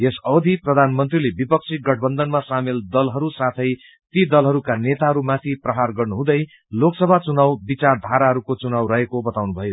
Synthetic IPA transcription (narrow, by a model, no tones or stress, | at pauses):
jesʌwd̪ʱiprʌd̪ʱanmʌnt̪rilebipʌk̚sʰiɡʌʈ̚ʰbʌnd̪ʌnmasameld̪ʌlɦʌɾusat̪ʰʌj | t̪id̪ʌlɦʌɾukanet̪aɦʌɾumat̪ʰiprʌɦarɡʌrnuɦũd̪ʌj | loksʌbʱat͡sunawbit͡sard̪ʱaɾaɦʌɾukot͡sunawɾʌɦekobʌt̪awnubʱʌjo